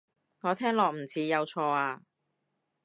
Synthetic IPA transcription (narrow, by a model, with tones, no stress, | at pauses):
ŋɔː˨˧t̪ʰɛː˥ŋlɔː˨k̚m̩˨˩t͡sʰiː˨˧jɐ˨˧wt͡ʃʰɔː˧aː˧